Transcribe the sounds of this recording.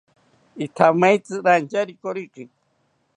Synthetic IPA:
it̪ʰamajt͡sɨɾant͡ʃaɾikoɾiqi

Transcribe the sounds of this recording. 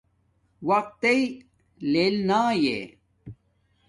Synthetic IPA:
wɐq̚t̪ei | lelnaːjḛ

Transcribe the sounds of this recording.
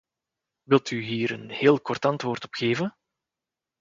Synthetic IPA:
ʋɪlˠtyɦiːɾənheːlˠkɔrtɑntʋoːrtɔ̥pxeːvən

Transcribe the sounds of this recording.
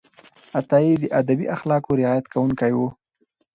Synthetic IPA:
at̪ɑid̪əʔad̪abḭʔaxlɑkoɾɪɑjat̪kʰawuŋkajwu

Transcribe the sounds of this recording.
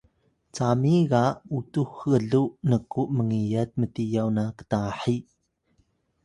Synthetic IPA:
t͡samiɣaʔutuhɯəɮuʔnəkuʔməŋijət̚mətijawnakə̥taħiʔ

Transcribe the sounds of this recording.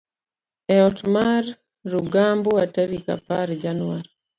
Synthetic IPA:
ɛɔtmarː | uɡamboataɾika̰paɾd͡ʒanwaɾi

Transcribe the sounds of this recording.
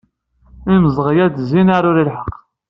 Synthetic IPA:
iməzˤʁjæd̪zinaɾˤʊɾilħəqː

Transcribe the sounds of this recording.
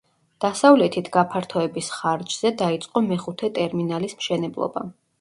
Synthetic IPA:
d̪̥asavlɛt̪ʰit̪ʰɡapʰaɾt̪ʰɔɛbisχaɾd͡ʒz̥ɛd̪ait̪sʼqʼɔmɛχut̪ʰɛt̪ʼɛɾminalismʃɛnɛblˠɔ̰ba̰

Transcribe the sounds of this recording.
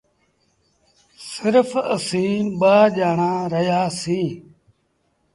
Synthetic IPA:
sɪɾfəsĩːɓaːʄaːɳãːɾəjaːsĩː

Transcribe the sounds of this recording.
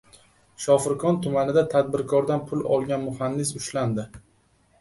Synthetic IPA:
ʃɒfɪɾkʰɒnt̪ʰʊmanɪd̪at̪ʰad̪̚bɪɾkʰɒɾd̪anpʰʊlɒ̰lˠɡʲanmʊhanːɪs̬ʊʃland̪ɪ

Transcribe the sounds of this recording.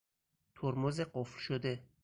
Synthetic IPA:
t̪ʰoɾmozeɢoflʃod̪e

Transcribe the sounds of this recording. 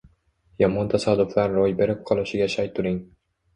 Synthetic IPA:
jɒmɒnt̪ʰasad̪ʊflˠaɾɾojbe̞ɾɪp̚qʰɒlˠɪʃɪɡʲaʃajt̪ʰʊɾɪŋ

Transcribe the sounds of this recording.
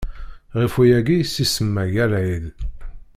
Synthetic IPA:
ʁifujæɡijsisəmːæʝælʕil

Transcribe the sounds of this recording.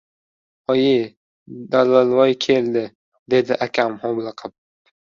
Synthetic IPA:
ɒjɪ | d̪alalˠvɒjkʲʰeld̪ɪ | d̪e̞d̪ɪʔakʲʰamhɒblˠɨqʰɨp̚

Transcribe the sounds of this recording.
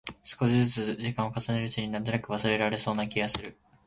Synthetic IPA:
sɨ̥ko̞ɕizɨt͡sɨʑikãɰ̃o̞kasaneɾɯ̟t͡ɕiɲ̟inant̪onakɯ̟βasɨɾe̞ɾaɾe̞so̞ːnakʲiɡasɨɾɯ̟

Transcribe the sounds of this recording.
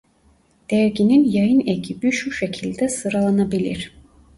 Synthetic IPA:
d̪̥ɛɾɟininjajɯneɟʰibiʃuʃecʰilʲd̪ɛsɯɾalˠanabilʲḭɾ̥

